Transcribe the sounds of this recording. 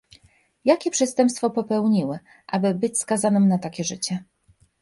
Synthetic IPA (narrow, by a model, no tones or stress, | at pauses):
jakʲɛpʂɛst̪ɛmpst̪fɔpɔpɛwɲiwɘ | ʔabɘbɘt͡ɕskazanɘmnat̪akʲɛʐɘt͡ɕɛ